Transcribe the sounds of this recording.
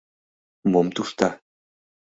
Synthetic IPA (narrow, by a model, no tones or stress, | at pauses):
momt̪uʂt̪a